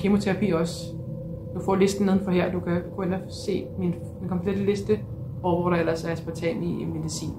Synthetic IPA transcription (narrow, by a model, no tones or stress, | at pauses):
kʰemo̝t͡sʰeʁɑpʰḭːɒ̽s | d̥ufɒ̰ːle̝sd̥n̩neð̞ˠn̩fɒ̽ɦeɐ̰d̥ukʰækʰonɐ | se̝̰ːmin | dinkʰɒ̽mpʰled̥əle̝sd̥ə | ɒʊɔɾɑelɐssb̥ɒt͡sʰɛ̰niime̝ðˠisḭːn